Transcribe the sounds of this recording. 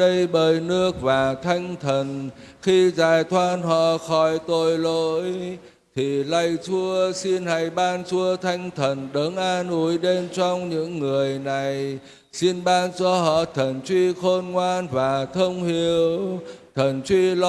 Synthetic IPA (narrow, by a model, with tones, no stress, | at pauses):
ə˧jɓəː˧˨˩jnɨ˧˥ək̚vaː˨˩t̪ʰa˧jŋ̟t̪ʰə˨˩n | xi˧zaː˨˩jt̪ʰwaː˧nɦɔ̰˧˨xɔ˧˩jt̪o˧˩jlo˧˥˦j | t̪ʰi˨˩la˧˩jt͡ɕu˧əsi˧nha˧˩jɓaː˧nt͡ɕu˧ət̪ʰa˧jŋ̟t̪ʰə˨˩nɗə˨˦ŋʔaː˧nʔu˨˦jɗe˧nt͡ɕɔ˧wŋ͡mɲɨ̰˧˥ŋːɨ˨˩əjna˨˩j | si˧nɓaː˧nt͡ɕɔ˧ɦɔ̰˧˨t̪ʰə˨˩nt͡ɕwi˧xo˧nŋwaː˧nvaː˨˩t̪ʰə˧wŋ͡mhi˨˩əwt̪ʰə˨˩nt͡ɕwi˧l